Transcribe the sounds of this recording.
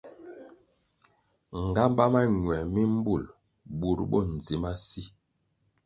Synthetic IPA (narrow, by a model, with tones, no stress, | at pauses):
ŋ˨ɡa˦mba˦ma˦ɲwɛ˨mi˦m̩˦bu˦˨l | ɓu˨ɾɓɔ̰˦n̩˨zi˨ma˦si˦